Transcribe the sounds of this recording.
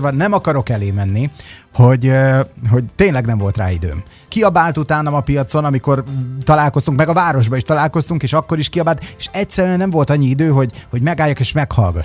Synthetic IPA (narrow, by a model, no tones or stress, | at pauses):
rʋɒnɛmɒkɒɾo̞kɛleːmɛnːiho̞ɟɦo̞ɟ̚t̪eːnlɛɡnɛɱvo̞lt̪ra̰ːḭd̪ø̰ːm | kiɒbaːlt̪ut̪aːnɒmɒpijɒt̪so̞nɒmiko̞rt̪ɒlaːlko̞st̪uŋkmɛɡɒvaːɾo̞ʒbɒiʃt̪ɒlaːlko̞st̪uŋkeːʃɒkːo̞ɾiʃkiɒbaːlt̪eʃɛcsɛɾyɛnɛɱvo̞lt̪ɒɲːiid̪øːɦo̞ɟho̞ɟmɛɡaːjːɒkeːʃmɛkhɒ̰lɡɒ̰